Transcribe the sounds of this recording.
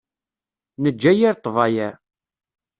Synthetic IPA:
nəd͡ʒːæjiɾt̪ˤːvɑjæ

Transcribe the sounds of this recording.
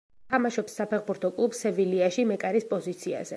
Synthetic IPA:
t̪ʰamaʃɔpsːapʰɛχbuɾt̪ʰɔkʼlˠubsɛviliaʃimɛkʼaɾispʼɔzit̪sʰia̰zɛ

